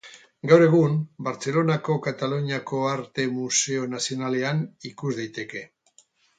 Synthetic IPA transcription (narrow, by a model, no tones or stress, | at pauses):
ɡawɾe̞ɣ̞unbaɾt͡se̞lo̞nako̞kat̪aluɲiako̞aɾt̪e̞muse̞o̞nasio̞nale̞anikuzðajt̪e̞ke̞